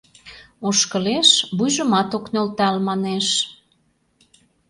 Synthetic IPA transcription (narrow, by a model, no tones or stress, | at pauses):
oʃkəleʃbujʒə̆mɑt̪oknolt̪ælmɑneʃ